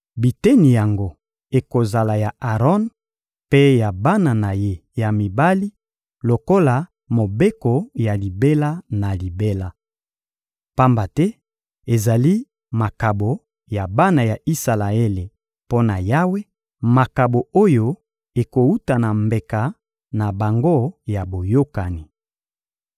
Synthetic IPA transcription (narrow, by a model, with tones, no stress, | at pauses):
bi˨tɛ˦ni˨ja˨ŋɡo˦ | e˨ko˨za˨la˨ja˨ʔa˨ʁɔ˦n | pe˦ja˨ba˦na˨na˨je˦ja˨mi˨ba˦li˦ | lo˨ko˦la˨ | mo˨be˦ko˨ja˨li˨be˦la˦na˨li˨be˦la˦ | pa˦mba˨tɛ˦ | e˨za˨li˦ | ma˨ka˨bo˨ | ja˨ba˦na˨ja˨ʔi˦sa˨la˨e˦le˨ | po˦na˨ja˦we˦ | ma˨ka˨bo˨o˦jo˦ | e˨ko˨u˦ta˨na˨mbe˨ka˨ | na˨ba˨ŋɡo˦˨ja˨bo˨jo˦ka˨ni˨